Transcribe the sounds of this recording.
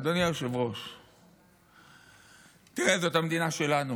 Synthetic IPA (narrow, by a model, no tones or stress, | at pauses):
d̪onjajoʃevʁo̞ʃ | t̪iʁezotamd̪inaʃe̞lanu